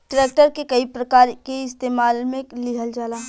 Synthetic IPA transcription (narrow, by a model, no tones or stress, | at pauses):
ʈɾeːk̚ʈəɾkekɐipɾɐkaːɾkeɪst̪eːmaːlmẽlɪɦəld͡ʒaːlaː